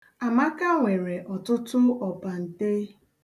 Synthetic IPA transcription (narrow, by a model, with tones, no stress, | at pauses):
a˨ma˦ka˦ŋʷe˨ɾe˨ʔɔ˨tʊ˦tʊ˦ɔ˨pa˨n̩˨te˦